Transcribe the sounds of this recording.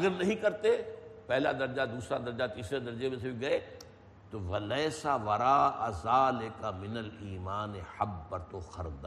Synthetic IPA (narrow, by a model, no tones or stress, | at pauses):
ɐɡəɾnɐɦĩkɐɾt̪epɛɦlad̪ɐɾd͡ʒad̪uːsɾad̪ɐɾd͡ʒat̪iːsɾed̪ɐɾd͡ʒemẽsiɡɐe | t̪oʋɐlɐːsaʋɐɾaːʔazaːlɪkamɪnəliːmaːnehɐbpɐɾt̪oxɐɾd̪a